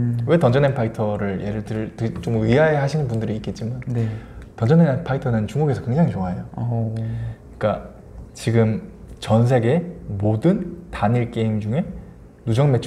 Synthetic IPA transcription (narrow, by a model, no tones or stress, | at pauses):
we̞tʌnd͡ʑʌnenpʰaitʰʌɾɯɾje̞ɾɯɭtɯɾtɯt͡ɕ͈omɥiɦaeɦaɕʰinɯnpundɯɾiːk͈e̞t̚t͡ɕ͈imanetʌnd͡ʑʌnepʰaitʰʌnɯnt͡ɕuŋɡuɡe̞sʰʌkwe̞ŋd͡ʑaŋit͡ɕoaejo | ik͈a | t͡ɕiɡɯm | t͡ɕʌns̬ʰe̞ɡe̞modɯntaniɭk͈e̞imd͡ʑuŋe̞ | nud͡ʑʌŋme̞t͡ɕʰ